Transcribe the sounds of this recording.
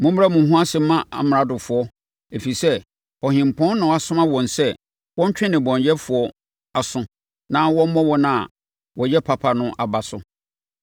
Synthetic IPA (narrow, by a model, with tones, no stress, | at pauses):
mʊ̃˦m˦ɾa˦˨mʊ̃˨˦ɦũ˦a˦sɪ˨m̩˦mːã˦a̰˨m˨ɾa˦dʊ˨fʊ˨ɔ˦ | e˨fi˨sɛ˦ | ɔ˨hɪ̃˨m̩˨pʰɔ̃˦n˦nʊ̃˨˦a˨sʊ̃˦mã˦wɔ̃˨nsɛ˦ | wɔ̃˦ɲ˦t͡ɕᶣɪ̃˦nɪ̃˨bɔ̃˨ɲjɛ˦fʊ˨ɔ˦ | a˨sʊ̃˦ | nã˦wɔ̃˦m̩˦mɔ̃˦wɔ˦nʊ̃˦a̰˨ | wɔ˨jɛ˦pʰa˨pʰa˨nʊ̃˦ʔa˨ba˨sʊ̰˦